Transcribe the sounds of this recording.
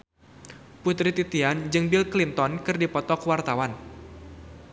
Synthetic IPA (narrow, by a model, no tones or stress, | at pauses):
put̪ɾit̪it̪iand͡ʒɨŋbilklint̪ɔnkɨrdipɔt̪ɔkwart̪awan